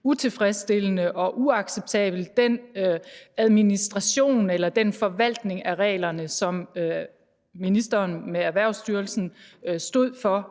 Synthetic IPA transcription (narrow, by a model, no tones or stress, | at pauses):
ut͡sʰe̝fʁɛsd̥e̝lənəʔɒ̽ʔuɑ̈ɡ̥seb̥̚t͡sʰɛ̰ːb̥l̩d̥en | æð̞ˠminisd̥ʁɑ̈ɕo̝̰ːnelɐd̥enfɒ̽ʋæl̰d̥ne̝ŋæʁɛ̰ːlɐnəsɒ̽m | minisd̥ɐːnmeæɐʋæɐ̰ʊsd̥yɐlsn̩sd̥o̝ð̰ˠfɒ̽